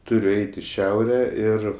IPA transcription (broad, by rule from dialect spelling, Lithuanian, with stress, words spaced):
ˈtʊrʲʊ ˈɛɪtʲ ɪ ˈʃʲɛʊrʲɛ ˈɪr